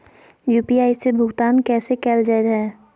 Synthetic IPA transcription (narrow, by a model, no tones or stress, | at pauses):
juːpiaːɪsebʱʊɡt̪aːnkɛːsekɛːld͡ʒaːet̪ɦɛː